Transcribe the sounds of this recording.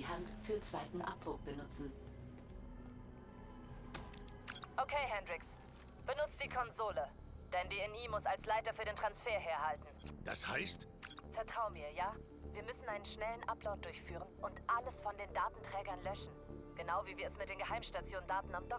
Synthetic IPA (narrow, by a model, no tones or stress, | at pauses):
hantfyːɐt͡sv̥aɪtn̩ʔa̰p̚d̥ʁʊk̚b̥ənʊt͡sn̩ | ʔokʰeɪɦɛndʁɪks | b̥ənʊt͡std̥iːkʰɔnzoːlə | d̥ɛndiːɛniːmʊsalslaɪtɐfyːɐɾeːntʁ̥ansfeːɐɦeːɐɦaltn̩d̥a̰sha̰ɪst | fɛɐtʁ̥aʊəmiːɐjaː | viːɐmʏsn̩ʔaɪnənʃnɛlənʔaplaʊt̚d̥ʊɐçfyːʁ̞ənʔʊntʔaləsfɔndeːndaːtn̩tʁ̥ɛːɡɐnlœʃn̩ɡ̥ənaʊviːviːɐɛsmɪtd̥eːnɡəhaɪmʃtat͡sjoːndaːtn̩amdɔ